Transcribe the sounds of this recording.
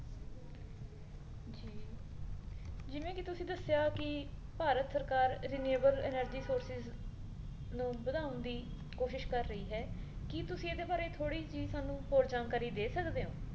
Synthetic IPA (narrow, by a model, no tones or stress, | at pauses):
d͡ʒiː | d͡ʒɪʋẽːkɪt̪ʊsĩːd̪əsːjaːkɪpaːɾət̪səɾkaːɾɾɪneːbəlɛ̰ːnəɾd͡ʒiːsoːɾsɪz | nũːbəd̪aːʊnd̪iː | koːʃɪʃkəɾːəiːɦɛːkɪt̪ʊsĩːeːd̪eːbaːɾeːt̪ʰoːɽiːt͡ʃiːzsaːnũːɦoːɾd͡ʒaːnkaːɾiːd̪eːsəkd̪eːõː